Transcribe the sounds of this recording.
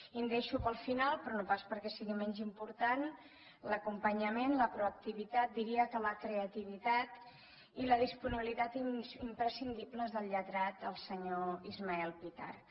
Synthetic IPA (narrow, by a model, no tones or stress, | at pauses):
ind̪eʃupəlˠfinalˠpɾɔnopaspəɾkɛsiɣimɛnzimpuɾt̪an | ləkumpəɲəmenləpɾuək̚t̪iβit̪at̪̚d̪iɾiəkələkɾeət̪iβ̞it̪at̪ | iləð̞ispuniβilit̪at̪inimpɾəsind̪ibləzðəlˠʎət̪ɾat̪əlˠsəɲoizmaɛlˠpit̪a̰r